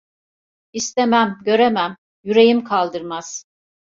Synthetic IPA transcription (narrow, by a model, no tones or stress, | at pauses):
ist̪emæmɟø̞ɾemæm | jyɾe̞jimkʰalˠd̪ɯɾmaz̥